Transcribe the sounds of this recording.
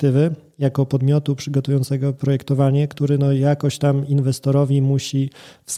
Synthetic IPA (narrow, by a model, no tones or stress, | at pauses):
t̪ɘvɘ | jakɔpɔd̪mʲjɔt̪upʂɘɡɔt̪ujɔ̃nt̪sɛɡɔpɾɔjɛkt̪ɔvaɲɛkt̪uɾɘnɔjakɔɕt͡ɕt̪aminvɛst̪ɔɾɔvʲimuɕifs